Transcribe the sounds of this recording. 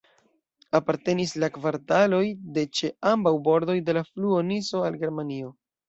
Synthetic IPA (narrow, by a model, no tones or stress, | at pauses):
apaɾte̞nislakvaɾtalo̞jde̞t͡ʃe̞ambawbo̞ɾdo̞jde̞lafluo̞niso̞alɡe̞ɾmanio̞